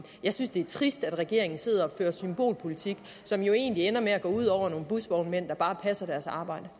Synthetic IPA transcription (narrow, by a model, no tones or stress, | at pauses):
jɑ̈ɪsynsd̥e̝æɐt͡sʰʁisd̥æd̥ʁɛɡ̥e̝ɐ̰e̝ŋn̩se̝ð̞ˠɐɒføːɐsymb̥o̝̰ːlpʰo̝lit͡sʰiɡ̥ | sɒ̽mjo̝e̝̰ːnlienɐmeæɡ̥ɔ̰̽ːuð̰ˠɒʊ̰ɐno̝ːn̩b̥usʋɒʊnmen̰d̥ɑ̈b̥ɑ̈ːpʰæsɐdæɐsɑ̈ːb̥ɑ̈ɪ̰d̥ə